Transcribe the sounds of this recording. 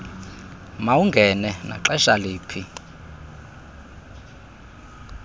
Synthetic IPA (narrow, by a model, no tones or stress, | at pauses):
mawuŋɡʱɛnɛna̰ǁɛʃaleːpʰi